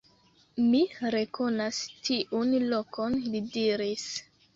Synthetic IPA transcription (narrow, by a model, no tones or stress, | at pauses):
miɾeko̞nastʰiʔunlo̞kʰonlidiɾis